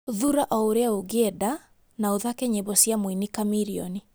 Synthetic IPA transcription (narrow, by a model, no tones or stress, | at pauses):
ðuɾaʔɔoɾeaoɣɛda | naoðakɛɲebɔsiamwinikamiɾiɔ̰ni